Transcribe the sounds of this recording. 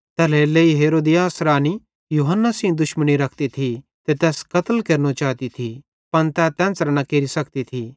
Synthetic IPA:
t̪ɛːleleːiɦeːɾoːd̪ɪjaːsɾaːni | juːɦənːasĩd̪ʊʃməñiɾɐkʰt̪it̪ʰi | t̪et̪ɛːskɐt̪əlkeːɾnot͡ʃaːt̪it̪ʰi | pɐnt̪ɛt̪ɛ̃ːsɾnɐkeːɾisɐkt̪it̪ʰi

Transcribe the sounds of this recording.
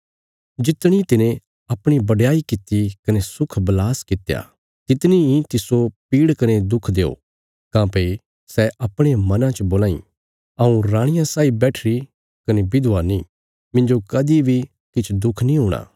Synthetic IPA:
d͡ʒɪt̪ɽ̃it̪ɪnẽ | ɐpɽ̃ibɐɖjaːikɪt̪ːikɐnesʊkʰbɐlaːskɪt̪eja̰ | t̪ɪt̪niĩt̪ɪsopiːɽkɐned̪ʊkʰd̪eːo̰ | kãːpei | sɛʔɐpɽ̃emɐnãt͡ʃəboːlaːḭ̃ | ɐũɾãːɽ̃ɪjãsaːibɛːʈʰɾi | kɐnebɪd̪ʱʊanĩ | mɪ̃ɲd͡ʒokɐd̪ibʱi | kɪt͡ʃʰd̪ʊkʰnĩɦũːɽ̃a̰ː

